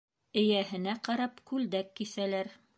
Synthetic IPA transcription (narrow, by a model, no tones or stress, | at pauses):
ɘ̆jæhɘ̆næqɑɾɑpkʉld̪ækːisælæɾ